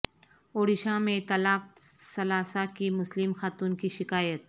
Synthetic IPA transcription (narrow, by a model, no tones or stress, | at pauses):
oːɽɪʃãmẽt̪ɐlaːk̚sɐlaːsakimʊslɪmxaːt̪uːnkiʃɪkaːjət̪̚